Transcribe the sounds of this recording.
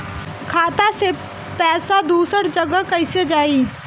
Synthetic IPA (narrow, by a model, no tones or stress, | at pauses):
kʰaːt̪ase | pɛːsad̪uːsəɾd͡ʒəɡəkɐɪsed͡ʒaːi